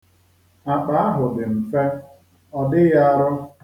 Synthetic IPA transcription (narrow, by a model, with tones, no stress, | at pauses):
a˨k͡pa˨˦a˦ɦʊ˨dɪ˨m̩˨fe˦ | ɔ˦dɪ˦ja˦ɾʊ˦